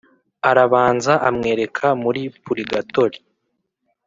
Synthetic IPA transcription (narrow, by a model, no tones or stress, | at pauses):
aɾaβaːnzaʔamŋe̞ːɾe̞kʰamuɾipuɾiɡato̞ɾi